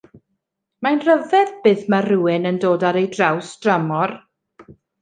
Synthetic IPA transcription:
majnrəvɛðb̥ɨːðmaruːɪnəndoːdaɾejdrawsd̥ramɔr

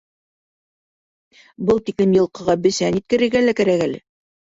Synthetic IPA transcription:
bɤlˠt̪iklɘmjɤ̆lˠqɤ̆ʁɑbɘ̆sænit̪̚kɘ̆ɾɘ̆ɾɡælækæɾækælɘ̰

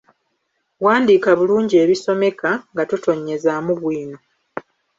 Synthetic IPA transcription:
waːndiːkaβuluːɲɟie̞ːβiso̞me̞kaŋɡatuto̞ɲːe̞zamuβwiːno̞

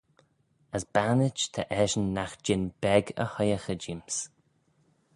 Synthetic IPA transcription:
əsbanɪt͡ʃt̪ʰəʔɛʒənːaxd͡ʒɪnb̥ɛɡə̰hɔjəxəd͡ʒims

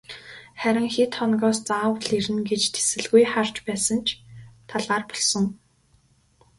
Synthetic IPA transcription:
χæɾʲɪ̆ŋxit̪χɔnɣɔːst͡saːwɮiɾɘ̆nɡet͡ɕt̪ʰe̥sɘ̆ɮɣujχar̥t͡ɕpæːsə̆nt͡ɕʰt̪ʰaɮaːrpɔ̥ɮsɞ̆ŋ

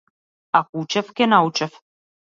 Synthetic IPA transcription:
ɑkut͡ɕə̆fkenɑwt͡ɕə̆f

